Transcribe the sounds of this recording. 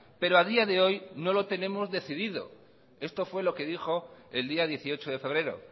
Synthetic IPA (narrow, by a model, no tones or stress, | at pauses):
pe̞ɾoaðiaðe̞o̞jno̞lo̞t̪e̞nẽ̞mo̞zðe̞θiðiðo̞̰ | e̞st̪o̞fwe̞lo̞ke̞ðixo̞eld̪iaðje̞θio̞t͡ʃoð̞e̞fe̞β̞ɾe̞ɾo̞̰